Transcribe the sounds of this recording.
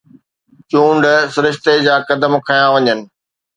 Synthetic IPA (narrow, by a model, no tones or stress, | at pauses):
t͡ɕũːɳɖsʊɾɪʃt̪ed͡ʑaːkɐd̪əmkʰɐjãʋɐɲənɪ̆